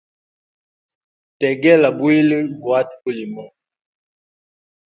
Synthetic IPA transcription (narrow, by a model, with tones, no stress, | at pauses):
tɛ˨ɡɛ˦la˨bwi˦lə˦bwa˦to˦li˨mɔ˨